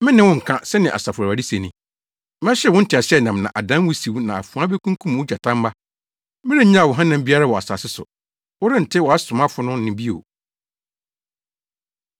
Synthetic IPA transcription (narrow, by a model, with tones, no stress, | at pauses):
mɪ̃˦nɪ̃˦wʊ̃˦ŋ̩˨kʰã˦sɛ˦nɪ̃˨ʔa̰˨sa˨fʊ˨a˨a˨di˦se˨nĩ˨ | m˦ɛ̃˦ɕɛ˦wɔ̃˦n̩˦tʰɪ˨a˨ɕɛ˦nã˨mnã̰˨ʔa˨dã˦n˦wʊ˦si˨wnã˨a˨fũ˨ã˦be˦kʰũ˦ŋkʰũ˦m˨ʊ˦d͡ʑa˨tʰã˦m˦ba˦ | mɪ̃˦ɾe˦ɲã˦a˨wɔ˨ɦã˦nã˨mbi˦a˦ɾa˦wɔ˨a˨sa̰˨sɪ˦sʊ̰˨ | wɔ˦ɾɪ˦n̩˨tʰɪ˦wɔ˨a˦sʊ̃˨mã˦fʊ˨˦nʊ̃˦nɪ̃˨bi˦o̰˨